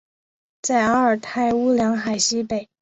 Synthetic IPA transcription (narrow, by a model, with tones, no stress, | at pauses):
t͡sa˥˩ɪa˥ə˞˨˩t̪ʰa˥˩ɪu˥ljɑ˧˥ŋxa˨˩ɪɕi˥pe˨˩ɪ